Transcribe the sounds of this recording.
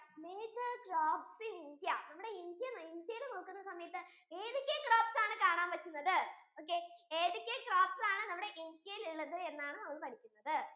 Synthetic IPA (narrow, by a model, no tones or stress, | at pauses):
meːd͡ʑɐɡraːbsɨind̪jɐnɐmːuɽe̞ind̪jɐnind̪jɐjilno̞ːkːunːɐsɐmɐjɐt̪ːɨ | eːðikʲːekraːbsaːɳɨkaːɳaːmʋɐt͡ɕːunːɐðɨoːk̬ːeeːðikʲːekraːbsaːɳɨnɐmːuɽe̞ʔind̪jɐjiliɭːɐðɨe̞nːaːɳɨnɐmːɐɭpɐʈʰikʲːunːɐðɨ